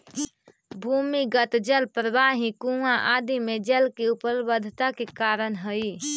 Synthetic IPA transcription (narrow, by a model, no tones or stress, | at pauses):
bʱumiɡət̪d͡ʒəlpɾəʋaɦĩkũãʔad̪imẽd͡ʒəlkeupəlbəd̪ʱt̪akekaːɾənɦəi